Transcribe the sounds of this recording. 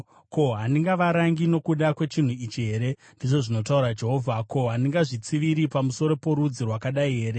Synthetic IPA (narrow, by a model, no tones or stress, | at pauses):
ko̞ɦaniŋɡaʋaɾaŋɡino̞kuɗakwe̞t͡ʃin̤uit͡ʃiɦe̞ːɾe̞ | ndiʐo̞ʐino̞tauɾad͡ʒe̞ɦo̞ːvʱako̞ɦaniŋɡaʐit͡siʋiɾipamuso̞ɾo̞po̞ɾud͡zirwakaɗaiɦe̞ːɾe